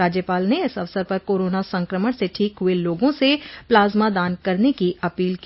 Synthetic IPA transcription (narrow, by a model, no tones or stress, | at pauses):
aːd͡ʒjəpaːlneɪsɐʋsəɾpɐɾkoːɾoːnasɐ̃ŋkɾəməɽ̃seʈʰiːkɦʊeloːɡõseplaːzmad̪aːnkɐɾnekiɐpiːlk